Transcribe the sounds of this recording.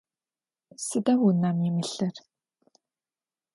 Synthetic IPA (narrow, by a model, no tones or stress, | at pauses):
sɨdɐwunaːmjɪmɨɬɐr